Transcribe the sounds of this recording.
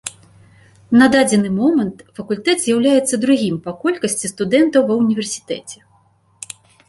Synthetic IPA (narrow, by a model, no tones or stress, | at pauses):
nɐd̪ad͡zʲɛnɨmɔmɐnt̪fɐkulʲt̪ɛd̪zʲjawlʲajɛt̪sːɐd̪ɾuɣʲimpɐkɔlʲkɐsʲt͡sʲist̪ud̪ɛnt̪ɐwvɐwnʲivʲɛrsʲi̥t̪ɛt͡sʲɛ̥